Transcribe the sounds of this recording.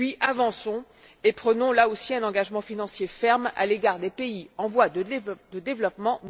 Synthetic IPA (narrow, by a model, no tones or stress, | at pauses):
ɥiʔavɑ̃sɔ̃ | epχənɔ̃laosiɛ̃nɑ̃ɡaʒmɑ̃finɑ̃sjefɛʁma̰leɡaːʁd̪epeiɑ̃vwad̪əd̪əd̪evlɔpmɑ̃